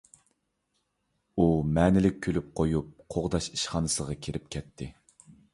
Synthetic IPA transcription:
umɛnɪlɪk̚ʲʰːølyp̚qʰojup̚qʰoʁd̪ɑʃiʃχɑːnɨsəʁɑkʲʰiɾɪp̚kʲʰɛt̪ʰːɪ

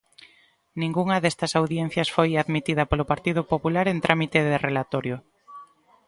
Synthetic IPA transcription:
nĩŋɡuŋɐðest̪ɐsawðjen̟θjɐsfojaðmit̪iðɐpolʊpaɾt̪ið̞ʊpopulaɾent̪ɾʔamit̪eðerelat̪ɔɾjʊ

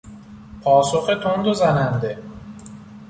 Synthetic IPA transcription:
pʰɒːsoxet̪ʰond̪ozænænd̪e̞

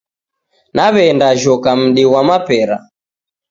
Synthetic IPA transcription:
naβɛndaʒɔkam̩ɗiwamapɛɾa

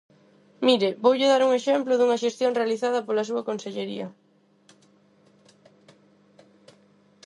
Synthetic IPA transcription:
miɾɪbowʎɪðaɾuŋeʃɛmplʊðuŋɐʃest̪joŋrealiθað̞ɐpolɐs̬uɐkonseʎeɾḭɐ

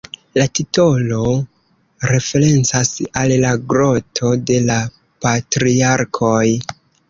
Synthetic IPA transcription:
latito̞lo̞ | ɾe̞fe̞ɾe̞nt͡sasalːaɡɾo̞tʰo̞de̞la | patɾiaɾkʰoj

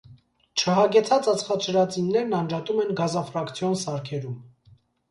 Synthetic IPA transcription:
t͡ʃʰəɦɑɡɛt͡sʰɑt͡sɑt͡sʰχɑt͡ʃʰəɾɑt͡sinːɛɾnɑnd͡ʒɑt̪umɛnɡɑzɑfɾɑkt͡sʰjɔnsɑɾkʰɛɾum

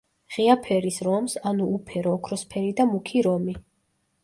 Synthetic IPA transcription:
ʁiapʰɛɾisɾɔmsanuːpʰɛɾɔːkʰɾɔspʰɛɾid̪amukʰiɾɔmi

